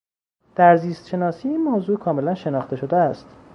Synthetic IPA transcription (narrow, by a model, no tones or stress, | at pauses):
d̪̥æɾziːst̪ʃe̞nɒːsiːiːnmoːzuːkʰɒːme̞lænʃe̞nɒːxt̪e̞ʃo̞d̪eæst̪